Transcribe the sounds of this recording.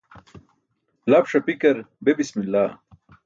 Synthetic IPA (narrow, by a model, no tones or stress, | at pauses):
laːpʂɐpikɐɾbebismilːaː